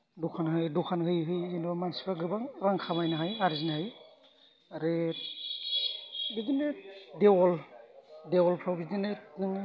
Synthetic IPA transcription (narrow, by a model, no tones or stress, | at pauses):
dukʰanhɯjdukʰanɦɯjɦɯjinɔmansi̥pʰaɡɯbaŋɾaŋkʰamajnaɦajaɾzinhaj | aɾɯ | bidinedewɔl | dewɔlpʰɾawbidinetnɯŋ